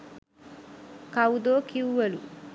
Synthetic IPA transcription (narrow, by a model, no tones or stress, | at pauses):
kɐud̪oːkiuʋɐlṵ